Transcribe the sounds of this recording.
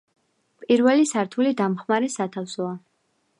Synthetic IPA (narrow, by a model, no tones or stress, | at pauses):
pʼiɾvɛlisaɾt̪ʰulid̪amχmaɾɛsat̪ʰafsɔa